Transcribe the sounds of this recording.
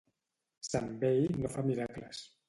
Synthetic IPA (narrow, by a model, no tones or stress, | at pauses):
sambejnofamiɾakləs